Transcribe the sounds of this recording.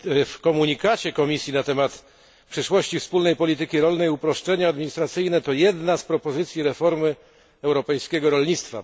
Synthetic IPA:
fkɔmuɲikat͡ɕɛkɔmʲisʲjinat̪ɛmat̪ | pʂɛʂwɔɕt͡ɕifspulnɛjpɔlʲit̪ɘkʲiɾɔlnɛjupɾɔʂt͡ʂɛɲaːd̪mʲiɲist̪ɾat̪sɘjnɛt̪ɔjɛd̪naspɾɔpɔzɘt̪sʲjiɾɛfɔɾmɘ | ɛwɾɔpɛjskʲɛɡɔɾɔlɲit̪st̪fa̰

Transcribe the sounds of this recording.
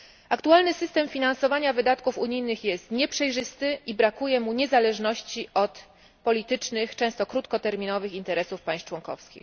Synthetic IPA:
akt̪ualnɘsɘst̪ɛmfʲinansɔvaɲavɘd̪at̪kufuɲijnɘxjɛst̪ɲɛpʂɛjʐɘst̪ɘʔibɾakujɛmuɲɛzalɛʐnɔɕt͡ɕiʔɔt̪ | pɔlʲit̪ɘt͡ʂnɘxt͡ʂɛ̃w̃st̪ɔkɾut̪kɔt̪ɛɾmʲinɔvɘxint̪ɛɾɛsufpajst͡ʂwɔŋkɔ̰fskʲḭx

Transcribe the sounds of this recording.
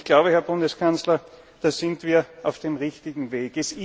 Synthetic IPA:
çɡ̥laʊbəhɛɐbʊndəskʰanslɐ | d̥aːz̥ɪntv̥iːɐaʊfd̥eːmʁɪçtɪɡŋ̩veːɡɛsɪ

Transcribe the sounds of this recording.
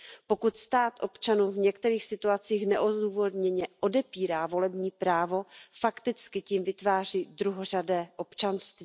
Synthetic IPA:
po̞kut̪st̪aːt̪ʔo̞pt͡ʃanuːvɲɛkt̪ɛɾiːxsɪt̪uat͡siːxnɛʔoduːvo̞d̪ɲɛɲɛʔo̞dɛpiːɾaːvo̞lɛbɲiːpɾaːvofakt̪ɪt͡skɪciːmvɪt̪vaːr̝iːd̪ɾuɦor̝adɛːʔo̞pt͡ʃanst̪viː

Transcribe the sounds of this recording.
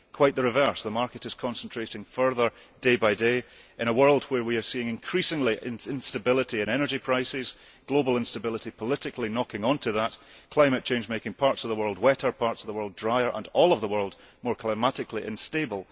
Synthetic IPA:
kʰw̥aɪʔ̪̚ðəɹɨvɜ˞sðəmaɹkɨɾɨz̥kʰɔ̃nsə̃n̩tʰɹ̥eʔɪ̃ŋfɜ˞ðə˞ | d̥ebaɪdeʔɪ̃ɾ̃əwɜ˞lˠd̚wə˞wiə˞siɪ̃ŋɨ̃nkʰɹ̥isɪ̃ŋlˠiʔɪ̃nɪ̃nstəbɪlˠɪʔiɨ̃nɛnə˞d͡ʒipʰɹ̥aɪsɪz̥ | ɡ̥lˠobl̩ˠɪ̃nstəbɪlˠəʔipʰəlˠɪʔɪkʰlˠinɔkɪ̃ŋɔ̃ntʰɨðəʔkʰl̥ãɪmɨt̚t͡ʃʰẽnd͡ʒmekɪ̃ŋpʰaɹtsʌvðəwɜ˞lˠd̚wɛʔə˞pʰaɹtsʌvðəwɜ˞lˠdɹaɪə˞ʔə̃nɔlˠʌvðəwɜ˞lˠd | mɔɹkʰl̥ˠaɪmaʔɪkʰlˠiʔɪ̰̃nstebəl̩ˠ

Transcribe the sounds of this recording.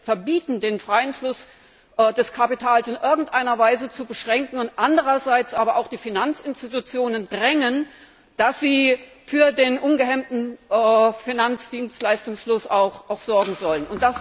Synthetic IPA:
fɛɐbiːtn̩deːnfʁ̥aɪənflʊs | ʔdɛskʰapitʰaːlsɪnʔɪɐɡŋ̩tʔaɪnɐvaɪzət͡subəʃʁ̥ɛŋkŋ̩ʊntʔandəʁɐzaɪt͡sʔaːbɐʔaʊxd̥iːfinant͡sɪnstitut͡sjoːnəndʁɛŋən | d̥asz̥iː | fyːɐdeːnʔʊnɡəɦɛmtn̩ʔfinant͡sd̥iːnstlaɪstʊŋsflʊsaʊxʔaʊxz̥ɔɐɡŋ̩zɔlənʊnt̚d̥as

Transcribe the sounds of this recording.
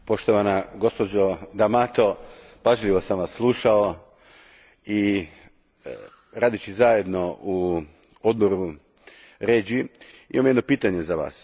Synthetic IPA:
po̞ʃt̪oʋanaɡo̞spod͡ʒod̪amat̪o̞ | paʒʎʲiʋo̞samʋasːlˠuʃao | i | ɾaːd̪it͡ʃizaje̞d̪no̞u | od̪̚bo̞ɾu | ɾeːd͡ʒi | imamjed̪no̞piːt̪aɲe̞zaʋa̰ːs

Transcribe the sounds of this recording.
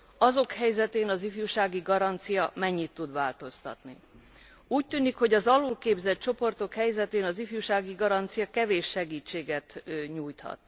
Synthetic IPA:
ɒzo̞khɛjzɛt̪eːnɒzifjuːʃaːɡiɡɒɾɒnt̪sijɒmɛɲːit̪ːud̪ʋaːlt̪o̞st̪ɒ̰t̪ni | uːc̚t̪yːnikho̞ɟɒzɒlulkeːbzɛt̚t͡ʃo̞po̞rt̪o̞khɛjzɛt̪eːnɒzifjuːʃaːɡiɡɒɾɒnt̪sijɒkɛveːʃːɛɡiːt͡ʃːeːɡɛt̪ɲuːjt̪hɒ̰t̪

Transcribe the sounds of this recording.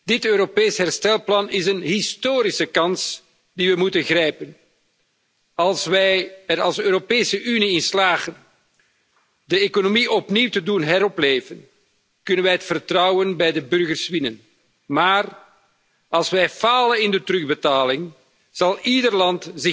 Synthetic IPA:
d̥ɪtøːɾopeːsɦɛrstɛlˠplɑnɪzənɦɪstoːɾisəkɑns | diʋəmutənɣrɛjpən | ɑlˠsʋɛjəɾɑlˠsøːɾopeːsəʔyniɪnslaːɣən | dəekonomiʔɔpniwtədunɦɛɾɔpleːvən | kɵnənʋɛjɦətfərtrɑwənbɛjdəbɵrɣərsʋɪnən | maːr | ɑlˠsʋɛjfaːlənɪndətɾɵɣbətaːlɪŋ | z̥ɑlˠidərlɑntzɪ

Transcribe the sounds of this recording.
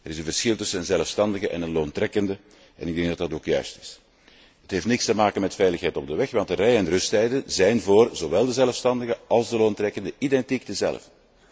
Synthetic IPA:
ɛɾɪzənvərsxɪlˠtʏsənənzɛləfstɑndəɣəʔɛnənloːntrɛkəndə | ʔɛ̰nɪɡ̚dɛŋɡdɑtdɑtoːkjœ̰ɥstɪ̥s | ətɦeːftnɪkstəmaːkəmɛtfɛjləxɦɛjtɔb̚dəʋɛxʋɑntərɛjəɛnrɵstɛjdənzɛjnvoːrzowɛlˠdəzɛləfstɑndəɣəʔɑlˠzdəloːntrɛkəndəʔidɛntiɡ̚dəzɛ̰lə̰fə

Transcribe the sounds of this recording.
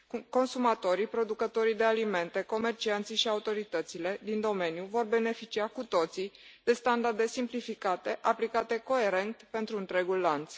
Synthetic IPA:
ko̞nsumat̪o̞ɾipɾo̞d̪ukət̪o̞ɾid̪e̞alime̞nt̪e̞ko̞me̞rt͡ʃiant̪siʃiaut̪o̞ɾit̪ət̪sile̞d̪ind̪o̞me̞njuvo̞rbe̞ne̞fit͡ʃiakut̪o̞t̪sid̪̥e̞st̪and̪ard̪e̞simplifikat̪e̞ʔaplikat̪e̞ko̞e̞ɾe̞nt̪pe̞nt̪ɾuɨnt̪ɾeɡulːant̪s

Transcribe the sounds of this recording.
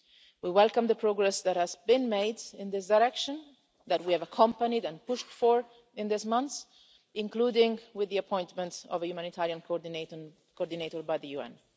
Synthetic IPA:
wiwɛlkə̃mðəpʰɹoɡɹɛsðæt̚hæzbɪ̃nmeɪdɪ̃nðɪsdaɪɾɛkʃə̃n | ðæt̚wiævəkʰʌ̃mpənidɛ̃npʊʃtfɔɹ | ɪ̃nðɪsmʌ̃nθs | ɪ̃ŋkluːdɪ̃ŋwɪðːiapʰɔ̃ɪ̃ntmə̃ntɔ̰vəjumãnit̪ʰaɹiãn | kɔɹd̪ineɪtɔɹbajðəjuɛ̰̃n

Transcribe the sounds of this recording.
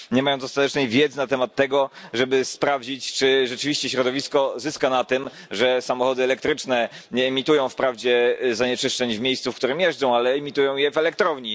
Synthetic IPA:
ɲɛmajɔ̃w̃zɔst̪at̪ɛt͡ʂnɛjvʲjɛd̪zɘnat̪ɛmat̪ːɛɡɔʐɛbɘspɾavd͡ʑit͡ɕt͡ʂɘʐɛt͡ʂɘvʲiɕt͡ɕɛɕɾɔd̪ɔvʲiskɔzɘskanat̪ɘm | ʐɛsamɔxɔd̪ɘɛlɛk̚t̪ɾɘt͡ʂnɛɲɛːmʲit̪ujɔ̃w̃fpɾavd͡ʑɛzaɲɛt͡ʂɘʂt͡ʂɛɲvmʲjejst̪sufkt̪uɾɘmjɛʐd͡zɔ̃w̃alɛːmʲit̪ujɔ̃w̃jɛvɛlɛkt̪ɾɔvɲi

